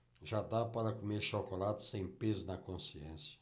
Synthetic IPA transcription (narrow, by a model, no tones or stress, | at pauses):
ʒad̪apaɾɐkumeɾʃokolad̪ʊsẽj̃pezʊnɐkõsiẽsjɐ̥